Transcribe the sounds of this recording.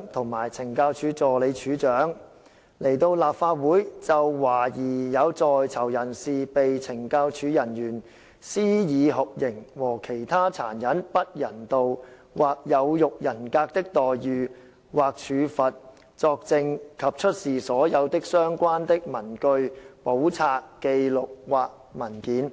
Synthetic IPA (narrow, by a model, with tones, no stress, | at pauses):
t̪ʰʊ˨˩ŋmaː˨˩jt͡sʰɪ˨˩ŋkaː˧wt͡ʃʰyː˨˥t͡sɔː˨˩le˨˧jt͡ʃʰyː˨˥t͡ʃœː˨˥ŋ | le˨˩jt̪o˧wlaː˨p̚faː˧˥t̚wuː˨˥jt͡sɐ˨wːaː˨˩jiː˨˩jɐ˨˧wt͡sɔː˨jt͡sʰɐ˨˩wjɐ˨˩nsiː˨pe˨jt͡sʰɪ˨˩ŋkaː˧wt͡ʃʰyː˨˧jɐ˨˩njyː˨˩n | siː˥jiː˨˧ɦʊ˨k̚jɪ˨˩ŋwɔː˨˩kʰe˨˩jt̪ʰaː˥t͡sʰa̰ː˨˩njɐ˨˥npɐ˥t̚jɐ˨˩nt̪o˨w | waː˨k̚jɐ˨˧wjʊ˨k̚jɐ˨˩nkaː˧k̚t̪ɪ˥k̚t̪ɔː˨jjyː˨ | waː˨k̚t͡ʃʰyː˨˧fɐ˨t̚ | t͡sɔː˧k̚t͡sɪ˧ŋkʰɐ˨p̚t͡ʃʰɵ˥t̚siː˨˩sɔː˨˥jɐ˨˧wt̪ɪ˥k̚sœː˥ŋkʷaː˥nt̪ɪ˥k̚mɐ˨˩nkɵ˧ɥpo˨˥wt͡sʰaː˧kːe˧jlʊ˨k̚waː˨k̚mɐ˨˩nkiː˨˥n